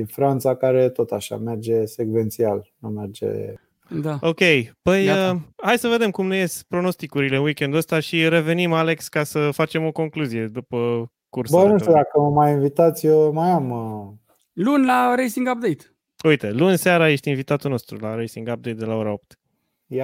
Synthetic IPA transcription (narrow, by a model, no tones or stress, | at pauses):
infɾant̪sakaɾe̞t̪o̞t̪aʃa̰me̞rd͡ʒe̞sekve̞nt̪sialnumerd͡ʒḛ | d̪ao̞kʲejpəjəhajsəve̞d̪e̞mkumneje̞spɾo̞no̞st̪ikuɾile̞ɨnwikʲe̞nd̪uəst̪aʃiɾe̞ve̞nimale̞kskasəfat͡ʃe̞mo̞ko̞ŋkluzije̞d̪upə | kursbənutt̪ud̪akəməmajinvit̪at̪sʲjemajamə | lunlaɾejsiŋɡap̚d̪ejt̪ | ujt̪elunseaɾaje̞ʃt̪ʲinvit̪at̪ulno̞st̪ɾṵlaɾejsiŋɡap̚d̪e̞jt̪̚d̪elao̞ɾao̞p̚t̪ | ja